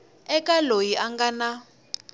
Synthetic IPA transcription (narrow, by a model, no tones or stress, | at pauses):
ɛkʼalojiʔaŋɡana